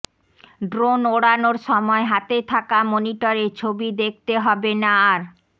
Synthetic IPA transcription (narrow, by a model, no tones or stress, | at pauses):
ɖɾonoɽanoɾʃɔmɔeɦat̪et̪ʰakamoniʈoɾeɾt͡ɕʰobid̪ek̚ʰt̪eɦɔbenaɾ